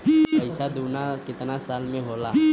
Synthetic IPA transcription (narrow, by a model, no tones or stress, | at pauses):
əɪsad̪uːnakɪt̪nasaːlmẽɦoːla